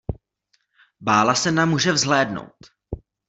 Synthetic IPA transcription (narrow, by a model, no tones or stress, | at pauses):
baːlasɛnamːuːʒɛvzɦlɛːdno̰wt̪